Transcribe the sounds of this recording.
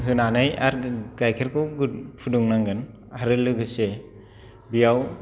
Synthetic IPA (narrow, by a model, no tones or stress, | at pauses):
ɦɯnanɯja̰ɾɡajkʰeɾkʰɯwɡupʰuduŋnaŋɡɯn | aɾɯlɯɡɯse | bijaw